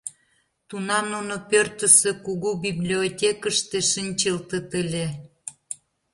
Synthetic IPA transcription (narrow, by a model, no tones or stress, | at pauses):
t̪unɑmnunopørt̪ə̆sekuɣubiblʲiotʲekəʃt̪eʃinʲt͡ɕəlt̪ət̪əlʲe